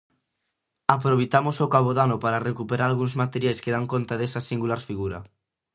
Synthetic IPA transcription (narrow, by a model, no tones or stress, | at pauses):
apɾoβejt̪amosokaβ̞oðanopaɾarekupeɾaɾalɣuŋzmat̪eɾjajskeðaŋkont̪aðesasiŋɡulaɾfiɣuɾa̰